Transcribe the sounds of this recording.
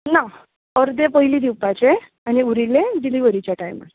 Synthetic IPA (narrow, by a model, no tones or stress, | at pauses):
na | əɾd̪ẽpəɦilid̪iwpat͡ɕe | añiuɾilẽɖiliʋəɾit͡ɕjaʈajma̰